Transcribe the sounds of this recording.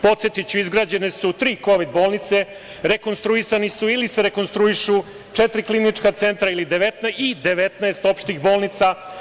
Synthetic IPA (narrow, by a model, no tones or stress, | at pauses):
po̞t̪set̪it͡ɕuizɡɾaːd͡ʑe̞nesut̪ɾiːko̞ʋid̪̚bo̞ːlˠnit̪se̞ | ɾeko̞nst̪ɾuisanisuiliseɾe̞ko̞nst̪ɾuiʃu | t͡ʂet̪ɾiklinit͡ʂkat̪se̞nt̪ɾailid̪eʋet̪nid̪e̞ʋe̞t̪naest̪o̞pʃt̪ixbo̞ːlˠnit̪sa